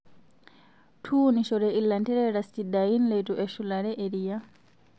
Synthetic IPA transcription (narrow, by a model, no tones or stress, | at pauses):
tʰuniʃɔɾɛʔilantɛɺɛɺasi̥tidain̩letuʔɛʃulaɺɛʔeɾija